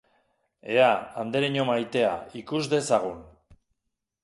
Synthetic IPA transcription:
e̞aand̪eɾeɲo̞majt̪e̞a̰ikuzd̪e̞saɣ̞un

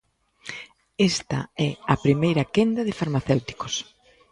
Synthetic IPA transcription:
est̪ɐ̰ɛɐpɾimejɾɐkend̪ɐðɪfaɾmaθewt̪i̥kos

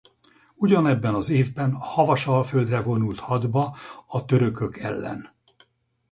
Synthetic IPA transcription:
uɟɒnɛbːɛnɒzeːvbɛnhɒvɒʃɒlføld̪rɛvo̞nult̪hɒd̪bɒɒt̪ø̞ɾø̞kø̞kɛ̰lːɛ̰n

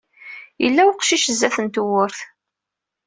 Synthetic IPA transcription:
jə̰lːæwqʃiʃzːæθənt̪wʊɾθ

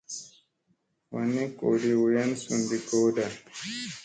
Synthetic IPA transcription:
waneko̰ːɖiwujansund̪ikoːda

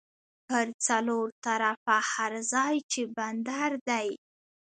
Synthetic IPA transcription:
pəɾt͡saloɾt̪aɾafahaɾzɑjt͡ʃeband̪aɾd̪aj

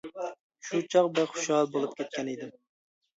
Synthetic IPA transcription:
ʃut͡ʃʰɑqbɪɾχʊ̥ʃhɑlˠbolˠupkʲʰet̪̚kʲʰɛnid̪ɪm

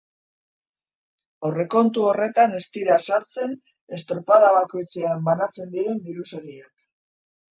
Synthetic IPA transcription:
o̞re̞ko̞nt̪uo̞re̞t̪ane̞st̪iɾasaɾt͡se̞n | e̞st̪ɾopaðaβako̞jt͡se̞ambanat͡se̞nd̪iɾe̞nb̪iɾusoɾiak

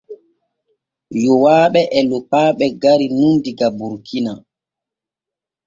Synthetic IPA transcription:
jɔwaːɓɛʔɛlɔpaːɓɛɡaɾinundiɡabuɾkʰina

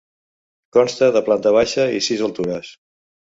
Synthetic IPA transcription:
kɔnst̪əðəplant̪əβ̞aʃəisizəlˠt̪uɾəs

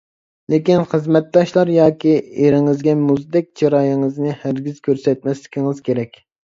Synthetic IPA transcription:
lekʲinχəzmɛt̪̚d̪ɑʃlˠɑɾjɑːkʲieɾɪŋɨzɡʲɛmuzd̪ɛk̚ʲt͡ʃʰɑɾɑːjɪŋɨznɨhæɾɡʲizkʲʰøɾsɛt̪̚mɛslɪ̥kʲiŋɨz̥kʲʰeɾɛkʲ

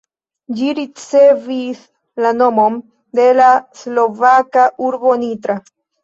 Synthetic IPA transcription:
d͡ʒiɾit͡se̞vis | lano̞mom | d̪e̞laslo̞vakauɾbo̞nitɾa

